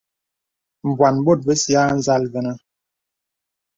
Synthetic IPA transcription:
m̩˨bwa˨nbo˦˨t̚bə˦sja˦n̩˦za˦lvɛ˨nə˦

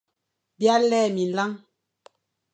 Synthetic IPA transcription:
bja˦lɛː˦˨mi˨n̩˨la˦ŋ

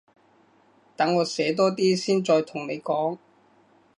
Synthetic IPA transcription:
t̪ɐ˨˥ŋːɔː˨˧sɛː˨˥t̪̬ɔː˥t̪iː˥siː˥nt͡ʃɔː˧jt̪ʰʊ˨˩ŋne˨˧jkɔː˨˥ŋ

